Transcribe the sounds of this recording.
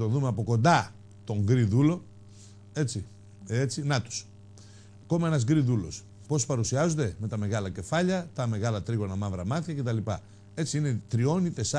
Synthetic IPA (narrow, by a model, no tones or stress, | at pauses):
t̪oðumeɐpo̞ko̞nd̪ɐ | t̪o̞ŋɡɾiðulo̞ | e̞t͡si | et͡sinɐt̪u̥s | ko̞meenɐzɡɾiðulo̞̰s | po̞spɐɾusiɐzond̪e̞me̞t̪ɐme̞ɣɐlɐce̞fɐʎɐt̪ɐme̞ɣɐlɐt̪ɾiɣo̞nɐmɐvɾɐmɐθçɐce̞t̪ɐlipɐ | e̞t͡siine̞t̪ɾio̞nit̪e̞sɐ